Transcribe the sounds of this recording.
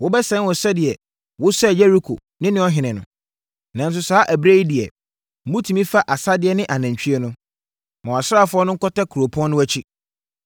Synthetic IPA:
wʊ˦bɛ˦sɛ̃˨˦nwɔ˨sɛ˦dɪ˨ɛ˨ | wʊ˦sɛ˦˨jɛ˦ɾi˦kʰo̰˨ | nɪ̃˦nɪ̃˦ɔ˦ɦɪ̃˨nɪ̃˨nʊ̰̃˨ | nã˨n˦s̬ʊ˨˦saː˦ʔæ˨bɾe˦i˦dɪ˨ɛ˨˦ | mũ˦tʰĩ˨mĩ˦fa˦ʔa˨sa˦dɪ˨˦ɛ˦nɪ̃˦ʔa˨nã˨ɲ˨t͡ɕᶣɥɛ˦nʊ̃˦ | mã˨a˨sɾa˦˨fʊ˦ɔ˦nʊ̃˦ŋ̩˦kɔ˦tɛ˦kʰu˨ɾo˨pʰʊ˦ɔ̃˦nʊ̃˦æ˦t͡ɕʰi˦

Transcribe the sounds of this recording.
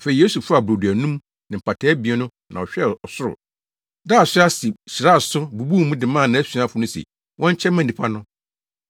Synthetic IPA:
fe˨i˨je˦su˨fʊ˦a˨bɾo˨du˨æ˨nũ˦m | nɪ̃˨pʰa˨tʰɛ˦bi˨ɛ˦nʊ̃˦ | nã˨ɔ˨ɕᶣɛ˦ɔ˨sʊ˦ɾʊ̰˨ | daː˦˨sɪ˦a˦sɪ˨sɾa˦˨sʊ˦bu˨bu˦˨mũ˦dɪ˨mãː˦˨nã˨˦æ˦su˨ã˦˨fʊ˦nʊ̃˦sḛ˨ | wʔɔ̃˦ɲ˦t͡ɕʰɛ˦mã˨nː˨ĩ˨pʰa˦nʊ̃˦

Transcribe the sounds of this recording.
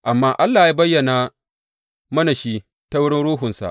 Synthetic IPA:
ʔa˨mːaː˦ʔa˦lːaː˨jaː˦bɐ˦jːɐ˨na˨ | mɐ˦na˨ʃi˦ | ta˦wʊ˦ɽɪ˦nɽuː˦ɦʊ˨nsa̰˨ʔ

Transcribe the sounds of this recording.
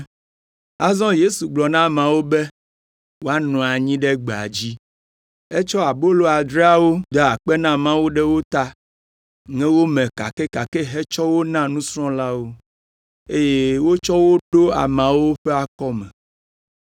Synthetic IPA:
a˦zɔ̃˦je˦su˨ɡ͡blɔ˨nã˦mã˨wo˦be˦ | wo˦a˦nɔ̃˨a˨ɲĩ˦ɖe˦ɡ͡be˨a̰˨d͡ʑi˦ | e˦t͡ʃɔ˦a˨bo˦lo˦a˨d̪ɾa˦wo˦d̪ɔ˨a˨k͡pɛ˦nã˦mã˦wo˦ɖɛ˦wo˦t̪a˦ | ŋɛ̃˦wo˦mɛ̃˨ka̰˨ke˦ka˨ke˦ɦe˦t͡ʃɔ˦wo˦nã˦nũ˦sɾɔ̃˦la˦wo˦ | e˦je˦wo˦t͡ʃɔ˦wo˦ɖo˦a̰˨mã˨wo˦ɸɛ˦a˦kɔ˦mɛ̃˨

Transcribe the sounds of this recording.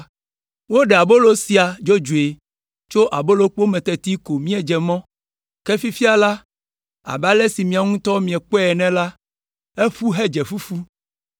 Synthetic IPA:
wo˦ɖɛ˨a˨bo˦lo˦si˦a˨d͡ʒo˦d͡ʒu˨e˨ | t͡ʃo˦ʔa˨bo˦lo˦k͡po˦mɛ̃˨t̪ɛ˨t̪i˦ko˨mĩ˦ɛ˨d͡ʒɛ˨mɔ̃˦ | kɛ˦fi˦fi˦a˨la˦ | a̰˨ba˦lɛ˦si˨mĩ˨a˨ŋũ˦t̪ɔ˦mĩ˨ɛ˨k͡pɔ˦ɛ˨nɛ̃˦la˦ | e˦ɸu˦ɦɛ˦d͡ʒɛ˨fu˦fu˦

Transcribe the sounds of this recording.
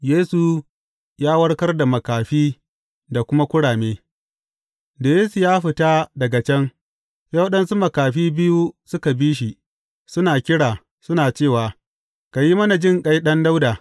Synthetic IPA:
jeː˦su˨ | jaː˦wɐ˦ɽkɐ˦rda˨mɐ˨kaː˨ɸiː˦ | da˨kʷʊ˦ma˦kʷʊ˦ɽaː˨meː˦ | da˨jeː˦su˨jaː˦ɸɪ˨taː˦dɐ˨ɡa˨t͡ʃɛ˦ŋ | ja˦wɗɐ˦nsu˦mɐ˨kaː˨ɸiː˦bɪ˦ju˦sʊ˦ka˨biː˦ʃ̬i˨ | sʊ˦naː˨kʲɪ˦ɽaː˨ | sʊ˦naː˨t͡ʃeː˦˨waː˨ | ka˨ji˦mɐ˦na˨d͡ʒɪ˦˨ŋkʼa˦jɗɐ˦nda˦wdaː˨

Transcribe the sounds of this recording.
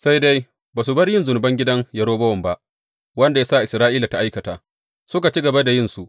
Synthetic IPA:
sa˦jda˦j | baː˨s̬u˨bɐ˦rjɪ˦nzʊ˨nʊ˨bɐ˦ŋɡʲɪ˦dɐ˦ŋjɐ˨ɾoː˦bɐ˦wɐ˨mba˦ʔ | wɐ˦nda˨jaː˦sa˦˨ʔɪ˨sɾaː˦ʔiː˦la˨ta˦ʔa˦jkɐ˨ta̰ː˨ | sʊ˦ka˨t͡ʃi˦ɡɐ˨ba˦da˨jɪ˦nsu˨ʔ

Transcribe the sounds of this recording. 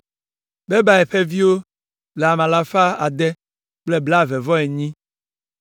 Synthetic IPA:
be˦ba˨ɛ˨ɸe˦vi˦wo˦ | le˨a˨mã˨la˦fa˦a˨d̪ɛ˦ | k͡ple˦bla˦˨vɛ˨vɔ˦e˨ɲĩ˦

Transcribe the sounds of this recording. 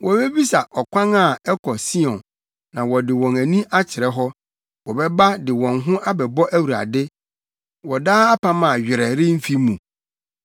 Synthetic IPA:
wʔɔ˨bɛ˦bi˦sa˨ʔɔ˨kʷʰã˦ŋa˦˨ɛ˦kʰɔ˨si˦ɔ̃˨nː | ã˨wɔ˨dɪ˨wɔ̃˨næ˨nĩ˦ʔa˦t͡ɕʰɪ˨ɾɛ˦ɦɔ˦ | wɔ˨bɛ˦ba˦dɪ˨wɔ̃˨ŋɦʊ̃˦ʔa˦bɛ˨bɔ˦ʔæ˦wu˨ɾa̰˨dɪ˦ | wɔ˨daː˦a˦pʰã˦mã˨ɥᶣɪ˨ɾɛ˨ɾɪ˦m̩˦fi˦mũ˨

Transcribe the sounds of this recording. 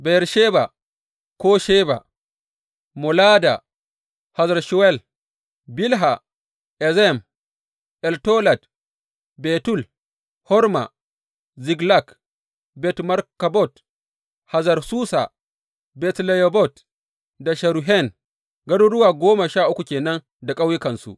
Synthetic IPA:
bɛɾʃɛba | kɔʃɛba̰ | mɔlada | hazaɾʃɔwɛl | bilɦa | ʔɛzɛm | ʔɛltɔlad | bɛtul | hɔ˦ɾma̰˨ | zi˨ɡla˦˨k | bɛ˨tma˦ɾka˨bɔ˦˨t | ha˨za˨ɾsuː˦sa̰˨ | bɛ˨tlɛ˨jo˨bɔ˦˨t | da˨ʃa˨ɾu˨ɦɛ˦˨n | ɡɐ˦du˦ɽʊ˦waː˨ɡʷoː˦ma˨ʃaː˦˨ʔʊ˦kʷu˨kʲeː˨nɐ˦n | da˨kʼa˦wjɪ˦kɐ˨nsṵ˨ʔ

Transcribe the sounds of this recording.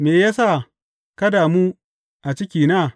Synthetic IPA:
meː˨jaː˦sa˦˨ | kɐ˦daː˨mu˦ | ʔa˨t͡ʃɪ˦kʲiː˨naː˦˨

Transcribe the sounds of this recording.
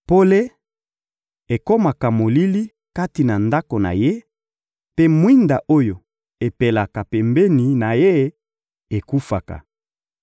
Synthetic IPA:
po˦le˦ | e˨ko˦ma˨ka˨mo˨li˦li˦ | ka˦ti˨na˨nda˦ko˨na̰˨je˦ | pe˦mwi˦nda˨ʔo˦jo˨ | e˨pe˨la˨ka˨pɛ˨mbe˦ni˨na˨je˦ | e˨ku˦fa̰˨ka̰˨

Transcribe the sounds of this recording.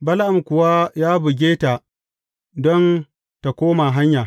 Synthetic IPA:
bɐ˦lʔa˨mkʷʊ˨wa˦jaː˦bʊ˨ɡʲeː˦ta˨ | dɔ˦n | ta˨kʷoː˦ma˨ɦa˦ɲjaː˨

